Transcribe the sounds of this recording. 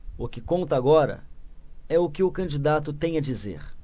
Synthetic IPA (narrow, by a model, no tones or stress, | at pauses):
ʊkɪkõnt̪ɐaɡɔɾɐ̰ | ɛʊkɪʊkɐ̃d͡ʒid̪at̪ʊt̪ẽj̃ɐd͡ʒizḛɾ